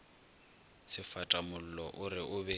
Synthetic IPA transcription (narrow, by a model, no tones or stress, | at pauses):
sɪfatʼamʊl̩lɔʔʊɾɪʔʊbɛ